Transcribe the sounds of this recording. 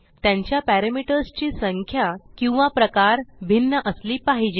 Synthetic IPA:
t̪jãɲt͡ɕjapæɾəmiʈəɾst͡ɕiːsəŋkʰjakĩw̃ʋapɾəkaɾbʱinːəʔəsliːpaɦid͡ʑe

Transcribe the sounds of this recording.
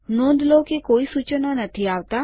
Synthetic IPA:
nõːd̪loːkekoːisuːt͡ʃnanɐt̪ʰiaːʋt̪a

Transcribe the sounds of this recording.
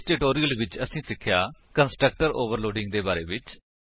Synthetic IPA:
ʈɪʈoːɾiːəlʋɪt͡ʃəsĩːsɪkʰːjaːkənsʈɾək̚ʈəɾo̰ːʋəɾloːɖɪ̃ŋɡd̪eːbaːɾḛːʋɪt͡ʃ

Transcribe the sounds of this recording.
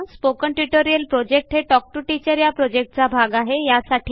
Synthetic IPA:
spokəɳʈiʈoɾijəlpɾɔd͡ʑek̚ʈɦeʈɔk̚ʈuʈit͡ɕəɾjapɾɔd͡ʑek̚ʈ̚t͡sabʱaɡaɦejasaʈʰi

